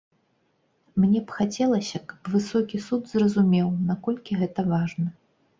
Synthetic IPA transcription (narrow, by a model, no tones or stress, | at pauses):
mnʲɛpxat͡sʲɛlˠɐsʲɐkɐ̥pvɨsɔkʲisud̪zrɐzumʲɛwnakɔlʲkʲiɣɛt̪ɐvaʐnɐ